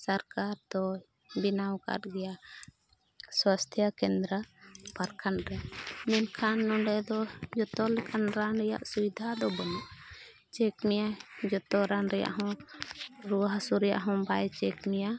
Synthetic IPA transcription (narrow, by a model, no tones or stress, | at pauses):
saɾkaɾd̪ɔ | binawka̰ʈɡɛjaʔ | swast̪ʰjakɛnd̪ɾapaɾkʰanɾɛaʔmɛnkʰanːɔɖɛd̪ɔd͡ʒɔt̪ɔlɛkʰanɾanɾɛja̰ʔsuwid̪ʱad̪ɔbɔnaʔ | t͡ʃɛkmɛjad͡ʒɔt̪ɔɾanɾɛja̰ʔɦɔ̃ | ɾuɦasuɾɛja̰ʔɦɔ̃bajt͡ʃɛkmɛja